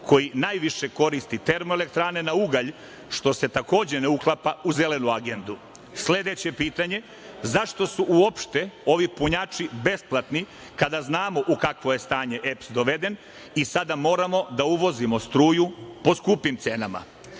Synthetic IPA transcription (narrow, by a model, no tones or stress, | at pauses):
kʰo̞jinaːjʋiʃe̞ko̞ɾist̪it̪e̞ɾmoele̞kt̪ɾaːne̞nauɡaʎ | ʃt̪o̞se̞t̪ako̞ːd͡ʑe̞neuklˠapauze̞le̞nuaɡe̞nd̪u | sle̞d̪e̞t͡ɕe̞piːt̪aɲe̞ | zaʃt̪o̞suʔuo̞pʃt̪e̞o̞ʋipuɲaːt͡ʃibe̞splˠat̪ni | kad̪aznaːmo̞ʔukakʋo̞jest̪aːɲe̞ʔepsd̪o̞ʋe̞d̪e̞n | isad̪amo̞ːɾamo̞d̪auʋo̞zimo̞st̪ɾuːjupo̞skuːpimt̪se̞ːnama̰